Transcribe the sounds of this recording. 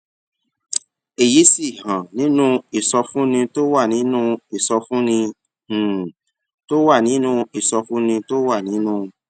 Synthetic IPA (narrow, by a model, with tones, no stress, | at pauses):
e˨ji˨˦si˦˨hã˨nĩ˨˦nũ˦i˦˨sɔ˧fũ˦nĩ˧to˦wa˦˨nĩ˨˦nũ˦i˦˨sɔ˧fũ˦nĩ˧˨ | to˦wa˦˨nĩ˨˦nũ˦i˦˨sɔ˧fũ˦nĩ˧to˦wa˦˨nĩ˨˦nũ˦